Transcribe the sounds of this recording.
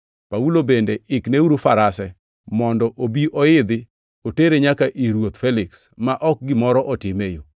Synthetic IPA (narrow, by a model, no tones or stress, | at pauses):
paulobendeɪkneuɾufaɾasɛ | mɔndɔʔobiʔɔɪd̪ɪ | oteɾeɲakaʔiɾwot̪fɛlɪks | maʔɔk̚ɡɪmɔɾɔʔɔtɪmejo